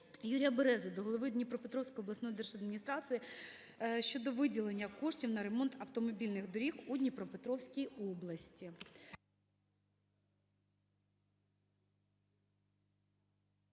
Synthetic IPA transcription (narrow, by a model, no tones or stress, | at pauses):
juɾʲijɐbeɾɛzɐd̪ɔɦɔlˠɔʋɪd̪ʲnʲipɾɔpet̪ɾɔwsʲkɔjɔblˠɐsɔjɔd̪ɛrʒɐd̪mʲinʲist̪ɾɑsɨji | ʃt͡ʃɔd̪ɔʋɪdʲilˠenʲːɐkɔʃtʲiwnɐɾemɔnt̪ɐwt̪ɔmɔbʲilʲnɪɣd̪ɔɾʲixud̪ʲnʲipɾɔpet̪ɾɔwsʲkʲijɔblˠɐsʲtʲi